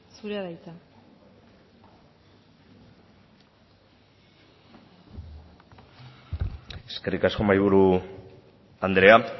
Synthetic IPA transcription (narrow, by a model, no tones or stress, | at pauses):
suɾeaðajt̪a | e̞skerikasko̞majβuɾu | and̪ɾe̞a